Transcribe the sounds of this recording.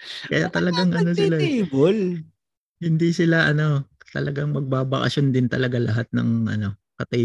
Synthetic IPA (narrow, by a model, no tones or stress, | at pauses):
kɐja̰t̪ɐlɐɡaŋʔɐno̞sɪlabol | hɪnd̪isɪlaʔɐno̞t̪ɐ̰lɐɡaŋmɐɡ̚baːbɐkɐ̰sond̪ɪnt̪ɐlɐɡalɐɦat̪̚nɐ̰ŋʔɐ̰no̞ | kɐt̪ɐ